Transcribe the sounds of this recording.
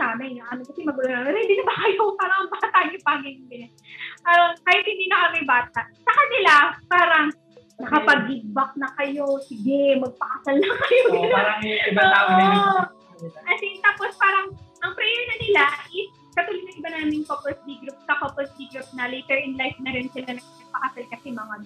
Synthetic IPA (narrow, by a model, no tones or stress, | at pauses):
saːnɐjnɐʔɐnokɐsɛmɐɡɐaɐnhɪnd̪iːnɐbɐkɐjopaːɾɐŋɐŋbaːt̪ɐʔɲʊpaɡɛnɡɐnɐ | ʔɐkajat̪hɪnd̪iːnɐkɐmɐjbaːt̪̚ɐʔsɐkɐnɪlapaːɾɐŋ | nɐkɐpɐɡːɪɡ̪̚bɐk̚nɐkɐjosɪɡɛmɐɡ̚pɐʔɐsɐlnɐkɐjoaɾɐŋɪbaŋt̪aːʔoɐ | kɐsɪt̪aːpospaːɾɐŋʔɐŋpɾɛjɛɹnɐnɪlaʔɪs | kɐt̪uːlɪnɐŋʔɪbanaːmɪŋkoposd̪iɡɾʊp̚sɐkoposd̪iɡɾʊp̚nɐlɛjt̪ɛɹʔɪnlajfnɐɾɪnsɪlanɐŋnɐɡ̚pɐʔasɐlkɐsɛmɐŋa